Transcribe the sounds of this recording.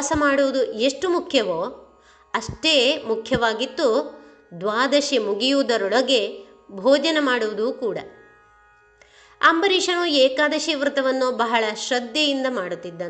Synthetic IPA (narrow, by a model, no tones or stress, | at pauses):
sɐmaːɽuʋud̪ueʂʈumukʰjɐʋoː | ɐʂʈeːmukʰjɐʋaːɡit̪ːu | d̪ʋaːd̪ɐʃjimuɡijuːd̪ɐɾɔɭɐɡe̞ | bʱɔːd͡ʒɐnemaːɽuʋud̪uːkuːɽɐ | ɐ̰mbɐɾiːʂɐnueːkaːd̪ɐʃiʋɾut̪ɐʋɐnːubɐɦɐɭɐʃɾɐd̪jɐjind̪ɐmaːɽut̪ːid̪ːɐn